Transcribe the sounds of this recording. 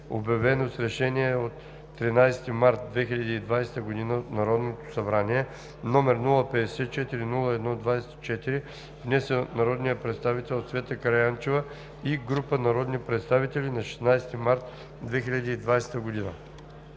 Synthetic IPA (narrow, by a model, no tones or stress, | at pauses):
o̰bjɐvɛnosɾɛʃɛniɛot̪ː | ɾinajst̪imaɾt̪̚d̪vɛxilʲɐd̪iːd̪vajsɛ̥t̪əɡod̪inəot̪nɐɾɔd̪not̪o̥sɐbɾaniɛ | nɔmɛɾnulˠəpɛd̪ɛsɛt̪t͡ʃɛt̪iɾinulˠəɛd̪nɔd̪vajsɛ̥t̪t͡ʃɛt̪iɾi | vnɛsɛnɐɾɔd̪nijəpɾɛt̪st̪avit̪ɛlˠot̪svɛt̪əkɐɾɐjant͡ʃevə | iɡɾupənɐɾɔd̪nipɾɛt̪st̪avit̪ɛlʲinɐʃɛ̥snajsɛ̥t̪imaɾt̪ | d̪vɛxiʎʲɐd̪iːd̪vajsɛ̥t̪əɡod̪inə̰